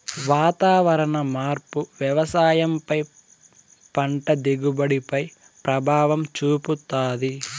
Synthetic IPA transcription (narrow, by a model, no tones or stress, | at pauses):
ʋaːt̪aːʋɐɾɐɳɐmaːɾpuʋjɐʋɐsaːjɐmpɐj | pɐɳʈɐd̪iɡubɐɽipɐj | pɾɐbʱaːʋɐmt͡ʃuːput̪aːd̪i